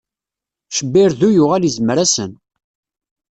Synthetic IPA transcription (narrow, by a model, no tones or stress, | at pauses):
ʃəbːɪɾðujʊʁælizəmɾæsən